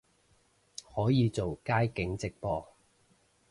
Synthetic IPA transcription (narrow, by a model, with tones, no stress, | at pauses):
hɔː˨˥jiː˨˧t͡so˨wkaː˥jkɪ˨˥ŋt͡sɪ˨k̚pɔː˧